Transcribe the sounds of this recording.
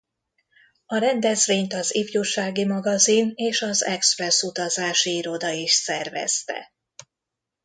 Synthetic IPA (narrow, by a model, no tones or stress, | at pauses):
ɒɾɛnd̪ɛzveːɲt̪ɒzivjuʃaːɡimɒɡɒzineːʃɒzɛksprɛsut̪ɒzaːʃiiɾo̞d̪ɒiʃsɛrvɛ̰st̪ɛ̰